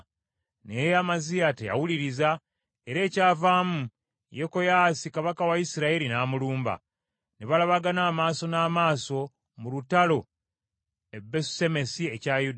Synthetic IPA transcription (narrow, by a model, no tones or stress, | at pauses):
nejamazijateja̰wuliɾiza | e̞ɾe̞ːcaːvaːmu | jeko̞jasikaβakawajisiɾaiɾinaːmuluːmba̰ | neβalaβaɡanaːmaːso̞naːmaːso̞ | mulutalo̞ | ebːesu̥se̞me̞sie̞cajud